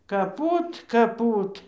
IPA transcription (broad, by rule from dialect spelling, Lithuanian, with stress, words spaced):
kɐˈpuːt kɐˈpuːt